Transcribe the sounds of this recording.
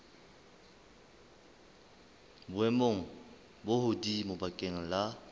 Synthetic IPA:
bʊɛmoŋ̩ | bohʊdimʊbakʼeŋ̩la

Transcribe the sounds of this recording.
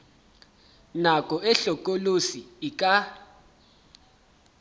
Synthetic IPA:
nakʼɔɛɬɔk̬ʼolusiːk̬ʼa

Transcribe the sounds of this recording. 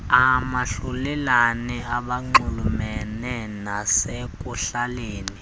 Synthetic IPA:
amaɬulɛlaniaɓaŋ͡ǃulumɛnɛnasek̬ʼuɬaleːni

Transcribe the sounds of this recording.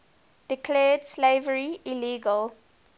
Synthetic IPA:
d̥ɪkʰlɛːd̥sleɪvəɹiiliːɡəl

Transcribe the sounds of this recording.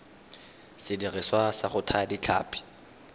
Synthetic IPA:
sɪdirɪswasaχʊtʰadit͡ɬʰa̰ːpʰʼi̥

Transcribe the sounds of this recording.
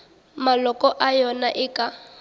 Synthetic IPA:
malɔkʼɔʔajɔnaʔɪkʼa

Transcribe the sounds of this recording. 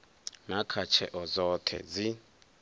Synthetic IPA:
ŋakʰat͡ʃʰɛʔɔzɔːtʰɛ̰d͡zi

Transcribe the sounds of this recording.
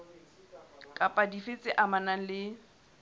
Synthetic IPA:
kʼapʼadifɪt͡sʼɪʔamanaŋ̩lɪ

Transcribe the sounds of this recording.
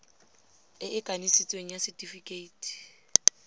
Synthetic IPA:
ɪʔɪkʼanisit͡sʼweŋ̩jasɪtʼifikʼeiːtʰʼi̥

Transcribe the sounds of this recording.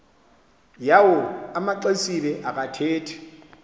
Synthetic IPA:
jaʊamaǃesilɛʔakʼatʰeːtʰɛ̥

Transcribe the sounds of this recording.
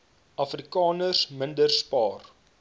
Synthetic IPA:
ɐfrikɑːnərsməndərspɑːr

